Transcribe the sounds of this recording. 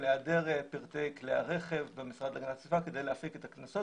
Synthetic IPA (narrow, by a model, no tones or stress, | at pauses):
leadeʁepiʁt̪ejklea̰ʁe̞χevbemisʁad̪laɡnasifake̞d̪e̞jleafiket̪aknaso